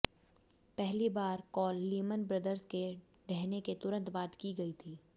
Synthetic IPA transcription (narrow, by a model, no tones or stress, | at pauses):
pɛɦlibaːɾkɔːlːiːmənbɾɐd̪əɾske | ɖɛɦneket̪ʊɾə̃nt̪baːd̪kiɡɐit̪ʰiː